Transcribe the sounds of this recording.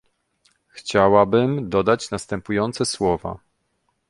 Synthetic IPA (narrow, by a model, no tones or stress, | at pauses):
xt͡ɕawabɘmd̪ɔd̪at͡ɕnast̪ɛmpujɔnt̪sɛswɔva̰